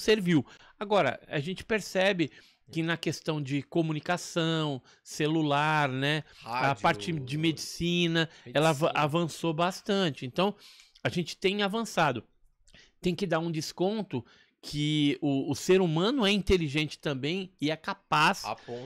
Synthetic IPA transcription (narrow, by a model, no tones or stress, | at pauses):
seɾviw | aɡɔɾɐ̰a̰ʒẽnt͡ʃɪ̥peɾsɛbɪ | kɪnɐkest̪ɐ̃w̃d͡ʒɪkomunikasɐ̃w̃ | selulaɾnɛpaɾt͡ʃɪd͡ʒɪmed͡ʒisĩnɐɛlɐavɐ̃sobast̪ɐ̃t͡ʃɪẽnt̪ɐ̃w̃aʒẽnt͡ʃɪ̥t̪ẽj̃avɐ̃sad̪ʊ | t̪ẽj̃kɪd̪aɾũd͡ʒɪskõnt̪ʊ | kʰɪʊːseɾumɐ̃nʊɛĩnt̪eliʒẽnt͡ʃɪ̥t̪ɐ̃bẽj̃ɪɛkapas